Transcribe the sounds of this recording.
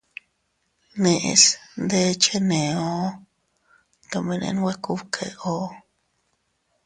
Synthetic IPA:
nẽ˧ʔḛ˧snd̪e˦t͡ʃe˦nẽ˨o˦ | t̪o˧mẽ˧nḛ̃˧nwe˦ku˦βkʰe˧o˦

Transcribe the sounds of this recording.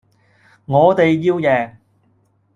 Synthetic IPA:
ŋɔː˨˧t̪e˨jjiː˧wjɛː˨ŋ

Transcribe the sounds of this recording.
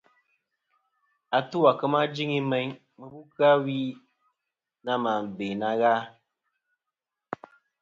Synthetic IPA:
a˨tu˦wa˨kə˦ma˦d͡ʒi˦ŋi˦mɛ˦ɲ | mə˨bu˦ka˦wi˦ | na˦ma˨m˨be˨na˦ɣa˦

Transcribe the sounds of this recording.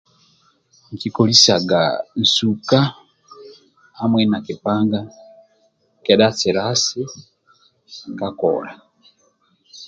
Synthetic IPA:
ŋ˨ki˨ko˨li˦sa˨ɡa̰˨n̩˨suka˦ | ha˦mwe˦na˨ki˨paː˦ŋɡa˦ | ke˨da˦t͡si˨ɾa˦si˦ | ka˦ko̰ɾa˨

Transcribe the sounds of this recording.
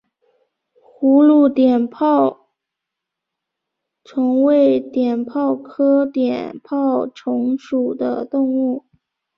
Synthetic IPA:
xu˧˥lu˥˩t̪jɛ˨˩npʰɑ˥˩ʊ | ʈ͡ʂʰɤ˧˥ŋwe˥ɪt̪jɛ˨˩npʰɑ˥˩ʊkʰɤ˥t̪jɛ̰˨˩npʰɑ˥˩ʊʈ͡ʂʰʊ˧˥ŋʂu˨˩d̪ə̰˦t̪ʊ˥˧ŋu˥˩

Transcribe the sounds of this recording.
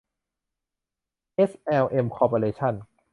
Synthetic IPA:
ʔe˦˥sʔɛː˧wʔe˧mkʰɔː˧poː˧leː˧t͡ɕʰa˥˩n

